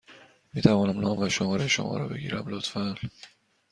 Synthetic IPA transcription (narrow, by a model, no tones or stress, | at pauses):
miːt̪ʰævɒːnæmnɒːmvæʃomɒːɾeʃo̰mɒ̰ːɾɒ̰ːbe̞ɡḭːɾæmlot̪fæl